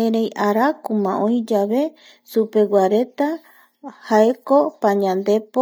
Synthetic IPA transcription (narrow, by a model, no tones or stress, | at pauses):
ẽɾejʔaɾakumã̰ʔõĩd͡ʒaβe̞ | supe̞wʷaɾe̞t̪a | haekopaɲãnd̪e̞po